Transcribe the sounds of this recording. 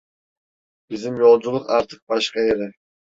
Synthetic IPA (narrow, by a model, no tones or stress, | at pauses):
b̥izd̪imjo̞lˠd͡ʒulˠuqɑɾt̪ʰɯ̥q̚bɑʃqɑeɾɪ